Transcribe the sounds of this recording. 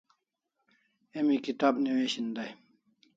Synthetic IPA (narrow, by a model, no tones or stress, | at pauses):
emikit̪aːbniweːɕind̪aj